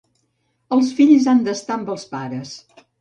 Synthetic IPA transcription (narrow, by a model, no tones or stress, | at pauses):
əlˠsfiʎzand̪əst̪ambəlˠspaɾəs